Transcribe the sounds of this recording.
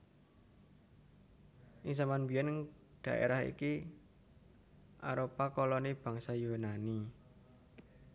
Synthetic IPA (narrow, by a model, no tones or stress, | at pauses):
ʔɪŋsamanbijɛn | d̪̥ä̤ʔḛɾaɦḭki | ʔa̰ɾopakɔlɔnib̥a̤ŋsajonani